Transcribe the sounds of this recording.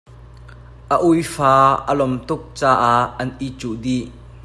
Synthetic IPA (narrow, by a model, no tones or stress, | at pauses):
ʔəʔujfaːʔəlɔmt̪ʊk̚t͡saːʔaɐnʔit͡suʔdi